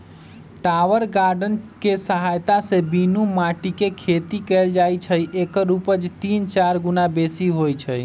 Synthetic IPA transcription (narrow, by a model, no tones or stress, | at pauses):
ʈaʋəɾɡaɾɖənkesəɦajt̪asebinumaʈikekʰet̪ikɛld͡ʒajt͡ʃʰəjʔekəɾupəd͡ʒt̪int͡ʃaɾɡunabesiɦojt͡ʃʰəj